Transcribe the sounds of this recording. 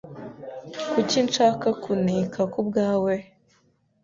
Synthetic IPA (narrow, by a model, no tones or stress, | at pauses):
kucinʃaːkakunikʰakub̚ɡaːwe